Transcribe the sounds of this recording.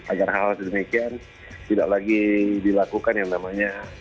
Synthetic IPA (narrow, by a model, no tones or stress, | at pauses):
ʔaɡarɦalsdəmikian | t̪ida̰ʔlaɡidilakukanjaŋnamaɲa